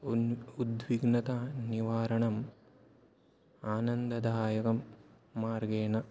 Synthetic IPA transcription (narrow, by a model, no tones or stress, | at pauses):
ud̪ʋiɡnɐt̪aniʋaːɾɐɳɐm | aːnɐnd̪ɐd̪ʱaːjɐkɐmː | aːɾɡeːnɐ